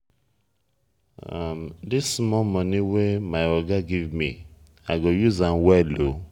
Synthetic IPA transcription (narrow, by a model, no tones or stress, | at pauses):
amdismɔmɔniwemaɪɔɡaɡivmi | aɪɡojuzãnwɛlo